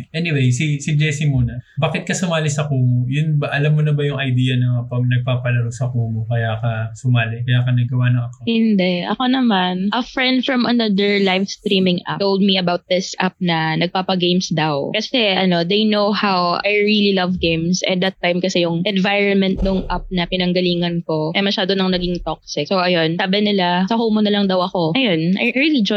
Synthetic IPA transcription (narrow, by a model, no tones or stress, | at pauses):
ʔɛnɪwejsisid͡ʒɛsimuːnɐbaːkɪt̪̚kɐsʊmaːlɪsɐkuːmojʊnbɐʔɐlamːonɐbɐjʊŋɐjd̪iːjɐnɐpɐnɐɡ̚paːpɐlɐɾosɐkuːmokɐjaːkɐsʊmaːlɪkɐjaːkɐnɐɡɐwanoŋɐko̞hɪnd̪ɛʔɐ̰ko̞nɐmanʔɐfɹɛ̃nd̪fɹɐ̃mɐnɐd̪əɹlajvst̪ɾiːmɪ̃ŋʔa̰towld̪̚miɐbawt̪̚d̪ɪsʔa̰p̚nɐnɐɡ̚paːpɐɡejmsd̪ɐwkɐsɛʔɐno̞d̪ejnowhawajɹililɐvɡẽjmsʔɛ̰nd̪ɐt̪ːajmkɐsɛjʊŋʔɛ̃nvajɹɔnmɛ̃nt̪̚nʊŋʔa̰p̚nɐpɪnɐŋɡɐliːŋɐnko̞ʔɛmɐʃaːd̪onɐŋnɐɡɪŋt̪ok̚sɪksowʔɐjonsaːbɪnɪlasɐɦoːmʊnɐlɐŋd̪ɐwʔɐko̞ʔɐjonʔɐ̰jʔɹilid͡ʒo